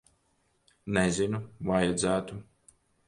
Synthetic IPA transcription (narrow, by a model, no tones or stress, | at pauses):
nɛzinuvajad̪zæːt̪u